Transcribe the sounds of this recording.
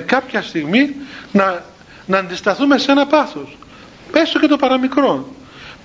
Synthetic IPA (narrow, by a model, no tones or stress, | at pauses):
kɐpçɐst̪iɣminɐ | nɐːnd̪ist̪ɐθume̞senɐpɐθo̞s | me̞soce̞t̪o̞pɐɾɐmikɾo̞n